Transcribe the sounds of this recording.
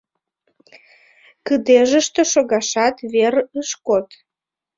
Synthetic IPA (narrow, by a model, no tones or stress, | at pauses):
kəd̪eʒəʃt̪eʃoɣɑʃɑt̪βerəʃkot̪